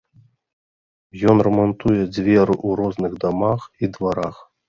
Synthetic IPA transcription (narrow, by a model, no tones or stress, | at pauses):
jɔnrɐmant̪ujɛd͡zʲvʲɛɾɨʔuɾɔznɨɣd̪amaxid̪vaɾax